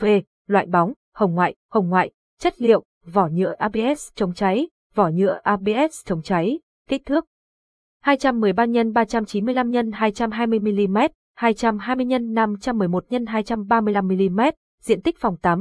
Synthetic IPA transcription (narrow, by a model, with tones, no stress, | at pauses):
ve˧ | lwa̰ː˧˨jɓɔ˨˦wŋ͡m | hə˨˩wŋ͡mŋwa̰ː˧˨jhə˨˩wŋ͡mŋwa̰ː˧˨j | t͡ɕə˦˥t̚lḭ˧˨əw | vɔ˧˩ɲɨ̰˧˥əʔaː˧ɓe˧ʔɛ˦˥st͡ɕə˨˦wŋ͡mt͡ɕa˨˦j | vɔ˧˩ɲɨ̰˧˥əʔaː˧ɓe˧ʔɛ˦˥st͡ɕə˨˦wŋ͡mt͡ɕa˨˦j | ki˦˥k̚t̪ʰɨ˦˥ək̚ | haː˧jt͡ɕa˧mːɨ˨˩əjɓaː˧ɲə˧nɓaː˧t͡ɕa˧mt͡ɕi˨˦nmɨ˧əjla˧mɲə˧nhaː˧jt͡ɕa˧mɦaː˧jmɨ˧əjmi˧li˧mɛ˦˥t̚ | haː˧jt͡ɕa˧mɦaː˧jmɨ˧əjɲə˧nːa˧mt͡ɕa˧mːɨ˨˩əjmo˨˩t̚ɲə˧nɦaː˧jt͡ɕa˧mɓaː˧mɨ˧əla˧mːi˧li˧mɛ˦˥t̚ | zḭ˧˨ənt̪i˦˥k̟̚fɔ˨˩wŋ͡mt̪aː˨˦m